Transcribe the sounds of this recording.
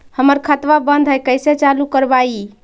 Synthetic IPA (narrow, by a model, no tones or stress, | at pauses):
həməɾkʰət̪ʋabənd̪ʱɦəjkəjset͡ʃalukəɾbai